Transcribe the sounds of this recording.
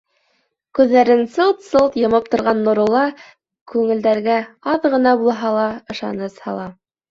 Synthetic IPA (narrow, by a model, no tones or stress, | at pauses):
kʉðːæɾɘnsɤlˠt̪sɤlˠt̪jɤ̆mɤp̚t̪ŏɾʁɑnːŏɾŭlˠɑ | kʉŋɘ̆ld̪æɾɡæɑðʁɤ̆nɑbulˠɑɦɑlˠɑɤ̆ʃɑ̰nɤshɑ̰lˠɑ